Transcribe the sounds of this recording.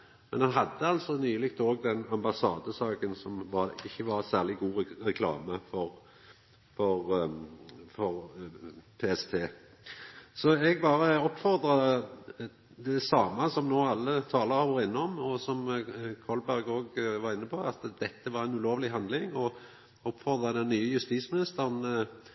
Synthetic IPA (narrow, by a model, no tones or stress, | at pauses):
mɛnhɑnɦɑd̪ːəɑlsɔnyːlɪkt̪oːɡ̚d̪ɛnɑmbɑsɑːd̪əsɑːkənsɔmʋɑɪçːəʋɑɾsæːʁlɪɡuːʁɛkʰlɑ̰ːməfɔʁ | fɔʁ | fɔɾ | pʰeːɛst̪ʰeː | sɔɛɡ̚bɑːɾəɔpːfɔʁd̪ɾɑ | d̪ɛsɑːmɑsɔmnoːɑlːət̪ʰɑːləʁɑɔːɾɪnːəɔmɔsɔmkʰɔlbæɾɡoːɡʋɑɾɪnːəpʰɔɑt̪d̪ɛt̪ːəʋɑɾɛnʉloːʋlɪɦɑnd̪lɪŋɔ | ɔpːfɔʁd̪ʁɑd̪ɛnːyːəjʉst̪iːsmɪnɪst̪əʁn